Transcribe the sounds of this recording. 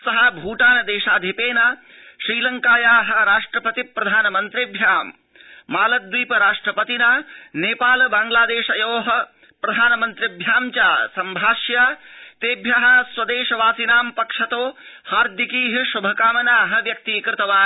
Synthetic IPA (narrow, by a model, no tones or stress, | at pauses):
sɐɦɐbʱuːʈaːnɐd̪eːʃaːd̪ʱipeːnaː | ʃɾiːlɐŋkaːjaːɦɐ̆ɾaːʂʈɾɐpɐt̪ipɾɐd̪ʱaːnɐmɐnt̪ɾibʱjaːmː | aːlɐd̪ʋiːpɐɾaːʂʈɾɐpɐt̪inaːneːpaːlbaːŋɡlaːd̪eːʃɐjoːɦɐ̆ | pɾɐd̪ʱaːnɐmɐnt̪ɾiɐbʱjaːmt͡ʃaːsɐmbʱaːʃjaːt̪eːbʱjaɦɐ̆swɐd̪eːʃɐʋaːsinaːmpɐkʂɐt̪oːhaːɾd̪ʱikiːɦɐʃubʱɐkaːmɐnaːɦɐ̆ʋjɐk̚t̪iːkɾɪt̪ɐʋaː